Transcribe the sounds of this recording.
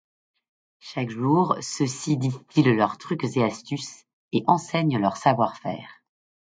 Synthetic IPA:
ʃakʒuːʁsəsid̪ist̪ʰillœʁt̪χykzeast̪ys | eʔɑ̃sɛɲlœʁsavwaʁfɛ̰ːʁ

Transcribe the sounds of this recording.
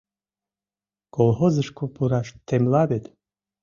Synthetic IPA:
kolˠhozəʃkʰopuɾaʃt̪ʰːemlabet̪

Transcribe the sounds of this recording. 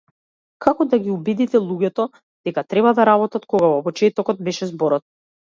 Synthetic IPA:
kʰakɔd̪aɡʲiubid̪it̪ɛlˠuɟɛt̪ɔ | d̪̥ɛkat̪ɾɛβad̪aɾabɔt̪at̪kɔɡavɔpɔt͡ʃɛt̪ɔkɔt̪̚bɛʃɛzbɔɾɔt̪̚

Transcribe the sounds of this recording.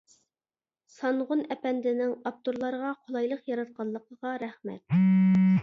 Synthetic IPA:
sɑnʁʊnɛpɛnd̪ɪnɪŋɑp̚t̪oɾlˠɑɾəʁɑqʰolˠɑjlˠəqjɑɾɑt̪̚qʰɑlˠːəqʰəʁɑɾχmɛ̰t̪̚

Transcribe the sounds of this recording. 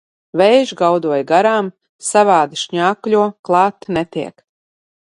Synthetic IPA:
vɛjʒɡawd̪uɔjɡaɾaːm | savaːd̪ɨʃɲaːkʎʲuɔklˠɑːt̪nɛt̪iɛk

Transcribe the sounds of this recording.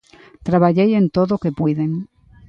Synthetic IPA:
t̪ɾaβaʝeje̞nt̪oðoke̞pwiðeŋ

